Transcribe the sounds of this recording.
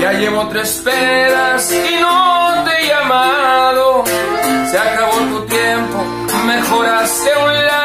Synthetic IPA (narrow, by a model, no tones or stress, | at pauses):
ʝaʎeβot̪ɾespeðasinot̪ejamaðo | seakaβot̪ot̪jempo | mexoɾaseunla